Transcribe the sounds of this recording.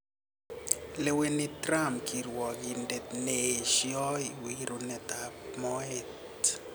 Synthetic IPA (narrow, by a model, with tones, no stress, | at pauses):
le˨we˨ni˦t̪ɾa˦mkʰi˨ɾwɔ˨ɡi˨nde˨t̪neʃjɔ˦jwiɾo˨nɛ˨t̪a˨p̚mɔe˦t